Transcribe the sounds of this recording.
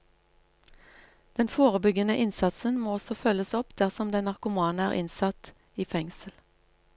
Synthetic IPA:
d̪̥ɛnfoːʁəbʏɡənəʔɪnsɑt̪sənmoːɔsɔfœləsɔpd̪̥æʁsɔmd̪ɛnɑʁkʊmɑːn̩æːʁɪ̰nsɑt̪ | iːfɛŋsəl

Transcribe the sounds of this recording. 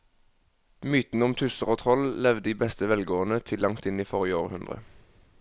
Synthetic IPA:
myːt̪n̩əʊmt̪ʰʉsəʁoːt̪ʰʁɔllɛʋd̪əd̪iːbɛst̪əʋɛlɡoːənət̪ʰɪlʔɑŋt̪ɪniːfɔʁjəoːʁhʉnd̪ʁə̰

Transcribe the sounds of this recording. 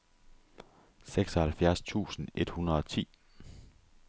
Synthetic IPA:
seɡ̥sɒ̽hælfjæɐst͡sʰṵːsn̩e̝d̥hunɐðˠɒ̽t͡sʰḭː

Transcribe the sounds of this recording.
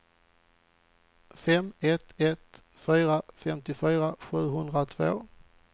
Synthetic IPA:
fɛmɛt̪ɛt̪ | fyːɾafɛmt̪ɪfyːɾaɧʉ̟ːɦɵnd̪ɾat̪ʰvo̰ː

